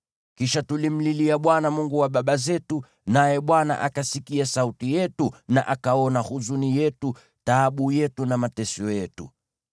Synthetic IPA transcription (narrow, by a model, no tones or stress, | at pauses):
kiʃatulim̩liliaɓwanamuŋɡuwaɓaɓazɛtu | najɛɓwana̰ʔakasikiasautijɛtuna̰ʔakaɔnahuzunijɛtu | taːɓujɛtunamatɛsiɔjɛtṵ